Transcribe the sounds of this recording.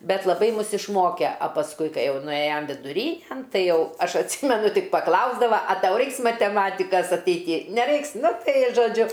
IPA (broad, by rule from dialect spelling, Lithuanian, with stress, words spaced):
ˈbʲɛt lˠɐˈbɐɪ ˈmʊs ɪʃˈmoːkʲɛ ɐ pɐsˈkʊɪ ˈkɐɪ ˈjɛʊ nʊˈeːjoːm ʋʲɪdʊˈrʲiːnʲɛn ˈtɐɪ ˈjɛʊ ˈɐʃ ɐtʲˈsʲiːmʲɛnʊ ˈtʲɪk pɐˈklˠɐʊzdɐʋɐ ɐ ˈtɐʊ ˈrɐɪks mɐtʲɛˈmɑːtʲɪkɐs ɐtʲɛɪˈtʲiː nʲɛˈrɐɪks ˈnʊ ˈtɐɪ ɪ ʒoːˈd͡ʒʲʊ